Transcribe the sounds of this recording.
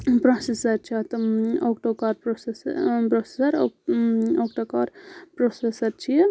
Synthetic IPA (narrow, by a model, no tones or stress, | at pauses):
pɾosesɐɾt͡ʃʰat̪okʈokaːɾpɾospɾosesɐɾo | okʈokaːɾpɾosesɐɾt͡ʃʰi